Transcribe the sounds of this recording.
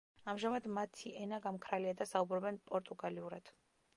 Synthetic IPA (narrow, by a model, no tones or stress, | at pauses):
amʒamad̪mat̪ʰiʔɛnaɡamkʰɾaliad̪asaubɾɔbɛnpʼɔɾt̪ʼuɡaliuɾad̪̥